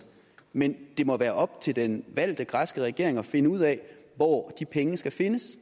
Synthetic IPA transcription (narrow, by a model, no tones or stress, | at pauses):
mend̥e̝mɒ̽ʋæːɐʔɒ̽b̥t͡sʰe̝ld̥enʋæl̰d̥əɡ̥ʁɑsɡ̥əʁɛɡ̥e̝ɐ̰e̝ŋɒ̽fe̝nəuð̞̰ˠɛʋɒ̰ːd̥ipʰeŋəsɡ̥æfe̝nəs